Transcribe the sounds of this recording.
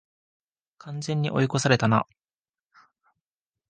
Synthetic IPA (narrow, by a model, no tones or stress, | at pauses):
kʰãnd͡zẽ̞ɲ̟ːiʔo̞jiko̞saɾe̞t̪ana̰